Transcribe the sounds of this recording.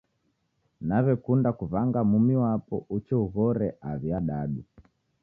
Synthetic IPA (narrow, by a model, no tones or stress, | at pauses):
naβɛkundakuvaŋɡamumiwapɔ̰ʔut͡ʃɛuɣɔɾɛʔaβjaɗaɗu